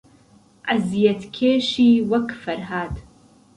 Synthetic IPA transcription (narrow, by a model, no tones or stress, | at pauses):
ʔazijɐt̪kʰeːʃiːwɐkʰfɐɾɦaːd̪